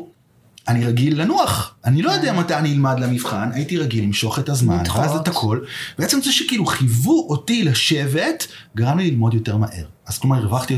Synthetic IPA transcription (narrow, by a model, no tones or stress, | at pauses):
aniʁaɡilːanuaχʔanilo̞jodeamatajaniilmadlamifχanajitiʁaɡilːimʃo̞χetazma̰nazetakʰo̞lb̥eet͡semzeʃekiːluχivuʔotilaʃe̞ve̞t | ɡaʁamlililmo̞djo̞te̞ʁmaʔe̞̰ʁaz̥kloaʁʁevaχt̪io